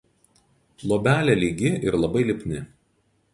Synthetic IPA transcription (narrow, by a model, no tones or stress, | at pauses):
lˠoːbʲæːlʲɛlʲiːɡʲɪʔɪɾlˠɐbɐɪlʲɪpʲnʲɪ